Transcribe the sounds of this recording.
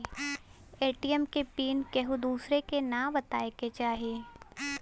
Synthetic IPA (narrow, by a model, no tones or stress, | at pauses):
eːʈiəmkepiːnkeɦud̪uːsɾekenabɐt̪aːeket͡ʃaːɦieː